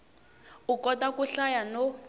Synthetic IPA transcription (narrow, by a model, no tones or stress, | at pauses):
ukɔtakuɬajano